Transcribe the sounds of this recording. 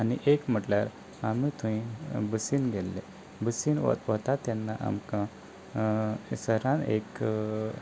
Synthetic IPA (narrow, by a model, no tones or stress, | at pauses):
aniʔekm̤əʈljaɾ | amit̪ʰũĩbəsiːnɡelːe | bəsin̰ʋət̪at̪ɛnːaʔa̰mkã | səɾãnḛk